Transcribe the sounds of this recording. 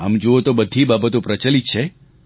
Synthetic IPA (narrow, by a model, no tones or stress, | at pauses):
a̰md͡ʒoot̪obəd̪ʱibabət̪õpɾət͡ʃəlit̪t͡ʃʰe